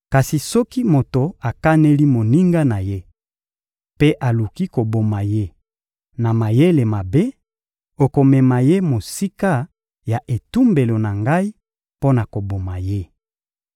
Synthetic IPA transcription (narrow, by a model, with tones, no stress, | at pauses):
ka˨si˨sɔ˦ki˦mo˨to˨a˨ka˦ne˦li˦mo˨ni˦ŋɡa˦na˨je˦ | pe˦ʔa˨lu˨ki˦ko˨bo˨ma˨je˦ | na˨ma˨je˦le˨ma˨be˦ | o˨ko˨mɛ˨ma˨je˦mo˨si˦ka˦ | ja˨ʔe˨tu˦mbe˨lo˨na˨ŋɡa˦i˦ | po˦na˨ko˨bo˨ma˨je˦